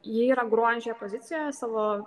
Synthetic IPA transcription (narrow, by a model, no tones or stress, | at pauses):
jɪiːɾɐɡɾuɔd͡ʒʲɛpozʲɪt̪ʲɪjɛsɑːʋoː